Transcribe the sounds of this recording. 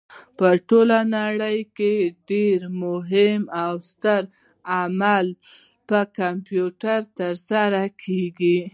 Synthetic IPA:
pəʈolanaɽəjkeɖeɾmʊɦɪmawst̪əɾ | amal | pəkampjuʈaɾt̪əɾsaɾakʰeɡi

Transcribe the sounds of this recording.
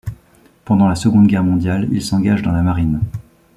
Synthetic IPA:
pɑ̃d̪ɑ̃lasəɡɔ̃d̪ɡʲɛʁmɔ̃d̪jalḭlsɑ̃ɡaʒd̪ɑ̃lamaʁin

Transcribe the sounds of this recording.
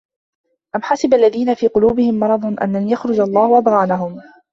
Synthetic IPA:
ʔamħasɪbalːaðiːnafiːqʊluːbɪhɪmːɑɾˤɑd̪ˤnʔa̰nːanjaxɾʊd͡ʒɑlˤːɑːhʊʔɑd̪ˤɣɑːnaɦʊm

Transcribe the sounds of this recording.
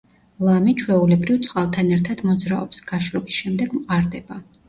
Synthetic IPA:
lˠamit͡ʃʰwɛulɛbɾivt̪sʼqʼalˠt̪ʰanɛɾt̪ʰad̪̥mɔd̪zɾaɔpsɡ̥aʃɾɔbisʃɛmd̪ɛɡmqʼaɾd̪ɛba

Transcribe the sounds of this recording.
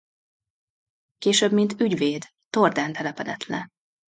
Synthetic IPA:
keːʃøbmint̪yɟveːd̪ːord̪aːnt̪ɛlɛpɛd̪ɛt̪lɛ

